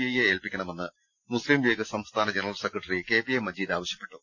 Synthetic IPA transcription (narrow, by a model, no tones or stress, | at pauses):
ijɐjeeːlpikʲːɐɳɐme̞nːɨ | muslimʋeːɡɐsɐmst̪ʰaːnɐd͡ʑenɐrɐlse̞krɐʈːɐrike̞ːpiɐjmːɐd͡ʑiːd̪aːʋɐɕjɐ̥pːe̞̥ʈːu